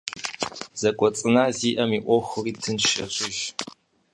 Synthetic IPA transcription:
z̥ɐkʷʼɔt͡sʼɨnaːziːʔɐmiːʔʷɔxʷʊriːtʰɨnʃɐɕʼɪʒ

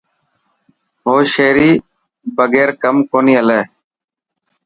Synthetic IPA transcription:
ɦoːʃeːɾiː | bəɡeːɾkəmkoːniːəleː

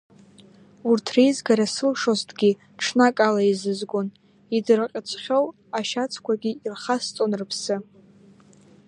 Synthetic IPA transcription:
urtʰrejzɡaɾasɨlʂoztʰʼɡʲi | ʈ͡ʂʰnakʼalaizɨzɡʷon | idɨrqʲʼɪt͡sʷʰχʲow | aʃat͡sʰkʷʰaɡʲiirχast͡sʼonrɨpʰsɨ

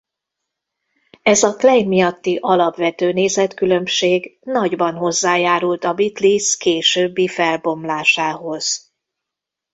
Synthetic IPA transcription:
ɛzɒklɛjmijɒt̪ːiʔɒlɒpʋɛt̪øːneːzɛt̪kylø̞mʃeːɡnɒɟbɒnɦo̞zːaːjaːɾult̪ɒbit̪liskeːʃøːbːifɛlbo̞mlaːʃaːɦo̞z̥

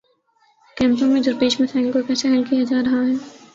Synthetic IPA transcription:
kɛ̃ːmt̪õmẽd͡ʒʊɾpeːʃmẽt̪ʰɛ̃ːŋklkoɾpɛːsaɦɛlkijad͡ʒaːɾɐɦaɦɛː

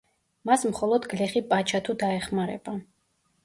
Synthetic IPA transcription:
masmχɔlˠɔd̪ɡlɛχipʼat͡ʃʰat̪ʰud̪aɛχmaɾɛ̰ba

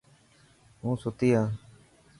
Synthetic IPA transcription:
ɦũːsʊt̪iːãː

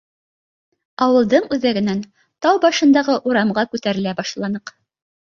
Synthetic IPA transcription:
ɑwɤ̆lˠd̪ɤɴʉðæɡɘ̆næn | t̪ɑwbɑʃɤ̆nd̪ɑʁɤʔuɾɑmʁɑkʉt̪æɾɘ̆læbɑʃlˠɑnɤq

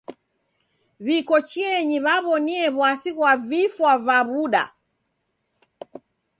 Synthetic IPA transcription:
βikɔt͡ʃiɛɲiβaβɔniɛβwasiɣwavifwavaβuɗa̰

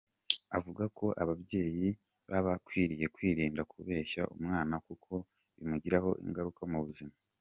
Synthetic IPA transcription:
avuɡako̞ʔaβabje̞ːji | βaβakwiːɾije̞kwiːɾiːndakʰuβe̞ːʃa̰ʔṵmŋaːnakukʰo̞ | βḭmuɟiɾaho̞̰ʔḭŋɡaɾukamuβuzima

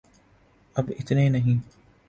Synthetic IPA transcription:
ʔabʔɪt̪neːnaɦi

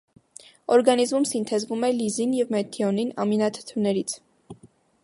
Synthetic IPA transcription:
ɔɾɡɑnizmumsint̪ʰɛzvumɛlizinjɛvmɛt̪ʰːiɔninɑ̰minɑt̪ʰə̥t̪ʰunɛɾit͡sʰ

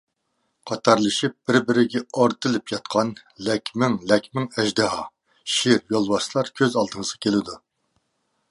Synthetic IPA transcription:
qʰɑt̪ʰɑɾlˠɨʃip̚b̥ɪɾbɪɾɪɡʲɛɑɾt̪ʰɨlˠɨpʰjɑt̪̚qʰɑnlɛkʲmɪŋlɛkʲmɪŋɛʒd̪ɨɦɑ | ʃiɾjolˠwɑslˠɑɾkʲʰøzɑlˠd̪ɨŋəzʁɑkʲʰelɪd̪u

